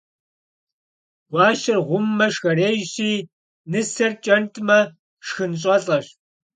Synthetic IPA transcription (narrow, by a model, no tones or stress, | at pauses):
wʷɑːʃɪrʁʷʊmːɐʂxɐreːjɕiː | nɨsɐrt͡ʃʼɐntʰʼmɐ | ʂxɨnɕʼɐɬʼɐʂ